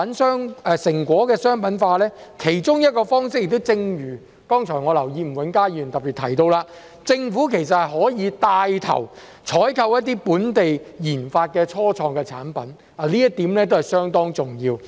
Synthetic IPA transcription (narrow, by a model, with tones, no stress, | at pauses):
ɐ˨˥nsœː˥ŋɛː˧sɪ˨˩ŋkʷɔː˨˥kɛː˧sœː˥ŋpɐ˨˥nfaː˧lɛː˥kʰe˨˩jt͡sʊ˥ŋjɐ˥t̚kɔː˧fɔː˥ŋsɪ˥k̚jɪ˨kt̪o˥wt͡sɪ˧ŋjyː˨˩ | kɔː˥ŋt͡sʰɔː˨˩jŋɔː˨˧lɐ˨˩wjiː˧m̩˨˩wɐ˨˥nkaː˥jyː˨˩nt̪ɐ˨pːi˨˩t̪ʰɐ˨˩jt̪o˧wlaː˧ | t͡sɪ˧ŋfuː˨˥kʰe˨˩js̬ɐ˨t̚hɐ˨jɦɔː˨˥jiː˨˧t̪aː˧jt̪ʰɐ̰˨˩w | t͡ʃʰɔː˨˥jkʰɐ˧wjɐ˥t̚t̪iː˥puː˨˥nt̪e˨jjiː˨˩nfaː˧t̚kɛː˧t͡ʃʰɔː˥t͡sʰɔː˧ŋkɛː˧t͡sʰa̰ː˨˥npɐ˨˦˥n | a˨˧liː˥jɐ˥t̚t̪iː˨˥mlɛː˥t̪o˥whɐ˨˩jsœː˥ŋt̪ɔː˥ŋt͡sʊ˨ŋjiː˧w